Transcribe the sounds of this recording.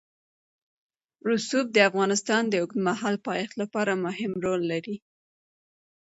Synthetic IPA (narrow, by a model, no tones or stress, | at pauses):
ɾusub̚d̪əafɣɑnɪst̪ɑnd̪əʊknmahɑlpɑjɑxt̪lapɑɾamʊɦɪmɾolːaɾi